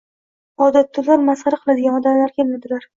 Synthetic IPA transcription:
ɒd̪at̪ʰːʊlːaɾmasχaɾaqʰɨlˠad̪ɪɡʲanɒd̪amlaɾkʲʰelmad̪ɪlaɾ

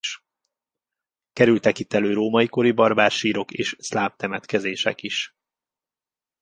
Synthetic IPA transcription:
ʃ | kɛɾylt̪ɛkit̪ːɛløːɾoːmɒjiko̞ɾibɒrbaːrʃiːɾo̞kḛːʃslaːp̚t̪ɛmɛt̪kɛzeːʃɛ̰kiʃ

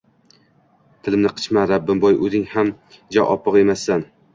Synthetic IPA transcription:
t̪ʰɪlɪmnɪqʰɨ̥t͡ʃmaɾabːɪmbɒjɵzɪŋham | d͡ʒɒʔɒpʰːɨqe̞masːan

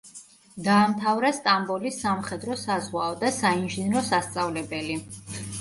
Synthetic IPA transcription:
d̪aːmt̪ʰavɾɛst̪ʼambɔlisːamχɛd̪ɾɔsazʁwaɔd̪asainʒinɾɔsast̪sʼavlɛbɛli

